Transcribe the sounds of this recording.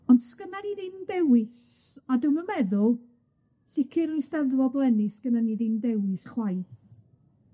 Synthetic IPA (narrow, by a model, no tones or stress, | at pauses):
ɔndskənaniðɪndɛwɪsadɨməmɛðʊlˠ | sɪkʰɪɾistɛðvɔdlˠɛnɪskənaniðɪndɛwɪsχwajθ